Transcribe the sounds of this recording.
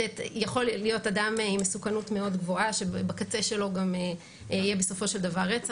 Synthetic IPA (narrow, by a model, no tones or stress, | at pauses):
etjaχo̞llijo̞tadamimesukanutme̞o̞dɡvo̞aʃebakat͡seʃe̞lo̞ɡam | ijebeso̞fo̞ʃe̞ld̪avaʁet͡sa